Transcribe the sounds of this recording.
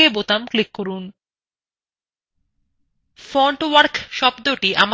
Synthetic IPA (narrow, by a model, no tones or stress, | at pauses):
ebot̪amklikːoɾun | fɾɔɳʈwaɾkʃɔbd̪oʈiʔam